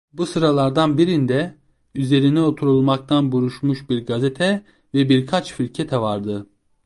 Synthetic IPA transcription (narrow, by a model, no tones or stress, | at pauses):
busɯɾalˠaɾd̪anbiɾind̪ɛ | yze̞ɾinɛo̞t̪ʰuɾulˠmak̚t̪ʰanbuɾuʃmuʃbiɾɡazet̪ʰɛ | vɛbiɾkʰat͡ʃfilʲcʰet̪ʰɛvaɾd̪ɯ